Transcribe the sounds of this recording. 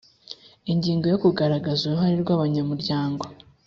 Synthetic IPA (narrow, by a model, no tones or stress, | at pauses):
iɲɟiːŋɡo̞jo̞kuɡaɾaɡazuuɦaɾiɾɡaβaɲamuɾɟaːŋɡo